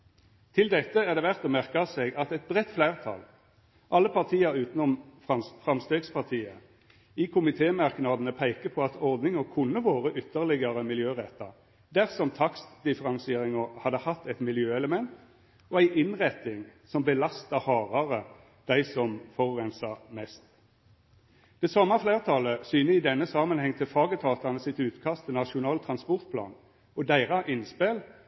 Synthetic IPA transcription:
t̪ʰɪld̪ɛt̪ːəæʁd̪ɛʋæʁt̪ɔmæʁkəseɡɑt̪ɛt̪̚bʁɛt̪ːflæɪʁt̪ʰɑ̰l | ʔɑlːəpʰɑʁt̪ʰiːəɾʉːt̪nɔmɑfʁɑmst̪øːɡspʰɑʁt̪ʰiːə | ɪkʰʊmɪt̪ʰeːmɑʁknɑːd̪ənəpʰæɪkəpʰɔɑt̪ɔʁd̪nɪŋəkʰʊnːəʋoːʁəʔʏt̪ːəʁlɪɡəʁəmɪljøːʁɛt̪ːəʁ | d̪æʁsɔmt̪ʰɑksd̪ɪfəʁɑnsɪeːʁɪŋəhɑd̪ːəhɑt̪ːæɪt̪mɪljøːɛləmɛnt̪ | ɔæɪʔɪnʁɛt̪ːɪŋsɔmbəlɑst̪ɑhɑːʁɑʁə | d̪̥æɪsɔmfɔʁʁɛnsɑʁmɛst̪ | d̪̥ɛsɑmːɑfleːʁt̪ʰɑləsyːnəɪd̪ɛnːəsɑmənhɛŋːt̪ʰɪlfɑːɡət̪ʰɑːt̪ɑnəsɪt̪ʉːt̪kʰɑst̪ʰɪnɑʂʊnɑːlt̪ʰʁɑnspɔʁt̪̚pʰlɑ̰ːn | ɔd̪æɪʁɑʔɪnspeːl

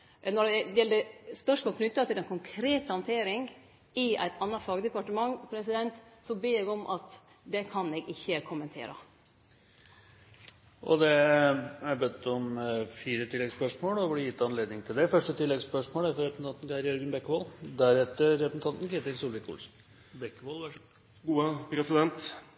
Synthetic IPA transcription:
nɔɖɛd̪ɛjɛlːəspœʂmoːlknʏt̪ːɑt̪ɪlɛnkʰʊŋkʰɾeːt̪əhɑnt̪ʰeːɾɪŋ | ɪæ̰ɪt̪ʰɑnːɑfɑːɡəd̪ɛpɑʈəmɑŋːpʰɾɛsɪd̪ɛnt̪sɔbeːɛɡɔmʔɑ̰t̪ | d̪ɛkʰɑnɛɡɪçːəkʰʊmənt̪ʰḛːɾə̰ | ʔɔ̰d̪ɛ | æɾbœt̪ːɔmfiːɾət̪ʰɪlːɛɡspœʂmoːlɔblɪjɪt̪ːɑnleːd̪nɪŋt̪ʰɪld̪ɛfœʂʈət̪ʰɪlːɛɡspœʂmoːlæɾfɔɾɛpəsn̩ɑnt̪n̩kɑɪəɾjœɾɡənbɛkːəʋoːld̪æɾɛt̪ːəɾːɛpəsn̩t̪ʰɑnt̪n̩kʰeːt̪ɪɾsuːlɪkʊ̰lsn̩ | bɛkːʋoːlʋɑ | ɡuːəpɾɛsɪd̪ɛnt̪

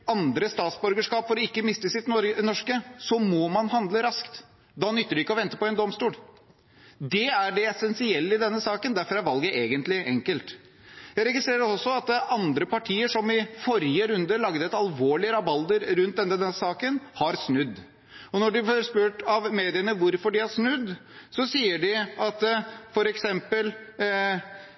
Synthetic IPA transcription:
ɑnd̪ɾəst̪ɑːt̪sbʉɾɡəʂkɑːpfɔɾɔɪkːəmɪst̪əsɪt̪ɔnɔʂkəsɔmɔmɑnɦɑnd̪ləɾɑskt̪ | d̪ɑːnʏt̪ːəɖʉɪkːəɔʋɛnt̪ə̥pɔɛnd̪ɔmst̪uːl | d̪ɛæɖɛɛsɛnsɪɛlːəɪd̪ɛnːəsɑːkənd̪æɾfɔɾæɾʋɑlɡəʔeːɡənt̪lɪʔɛŋkəlt̪ | jæɪɾɛɡɪst̪ɾeːɾəɾɔsːɔɑt̪ɑnd̪ɾəpɑʈʰiːəʂɔmɪfɔɾjəɾʉnd̪əlɑɡd̪əɛt̪ɑlʋoːɭɪəɾɑbɑld̪əɾɾʉnt̪d̪ɛnːɛnəsɑːkənhɑɾsnʉd̪ː | ɔnɔɖʉfɔɾspʉːʈɑʋmeːd̪ɪənəʋʊɾfɔɖɪæʂnʉd̪ːsɔsiːəɖɪɑt̪fɔɾɛksɛmpəl

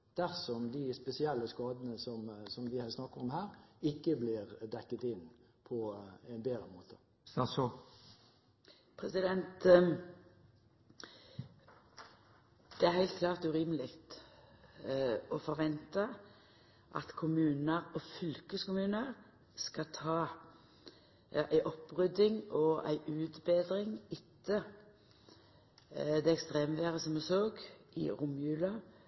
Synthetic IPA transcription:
d̪̥æʁsɔmd̪ɪspɛsɪɛlːəskɑːd̪ənəsɔmsɔmd̪ɪhæsnɑkːəɾɔmhæːʁɪkːəblɪʁd̪ɛkːət̪ɪn | pʰɔɛnbeːd̪ʁəmoːt̪ʰə̥ | ɑs | pʰɾɛsɪd̪ɛnt̪ | d̪̥ɛæhæɪlt̪̚kʰlɑːʁt̪ʉːʁiːməlɪkt̪ | ɔfɔɾʋɛnt̪ɑ | ʔɑ̰t̪kʰʊmʉːnəɾɔfʏlkəskʊmʉːnəʁ | skɑt̪ʰɑː | æɪʔɔpːʁʏd̪ɪŋɔæ̰ɪʔʉːt̪beːd̪ɾɪŋɪt̪ʰːə | d̪ɛɛkst̪ʁeːmʋeːʁəsɔmɛsoːɡʔɪ̰ʁʊmjʉːlɑ

